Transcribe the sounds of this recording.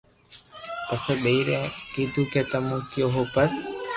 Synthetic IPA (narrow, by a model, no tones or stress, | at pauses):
pəsəɓeiːɾɛ̃ːkiːd̪uːkeːt̪əmũːkɪjoːɦoːpəɾ